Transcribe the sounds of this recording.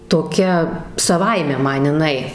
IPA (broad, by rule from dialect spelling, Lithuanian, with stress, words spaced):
toːˈkʲɛ sɐˈʋɐɪmʲɛ ˈmɐn ɪˈnɐɪ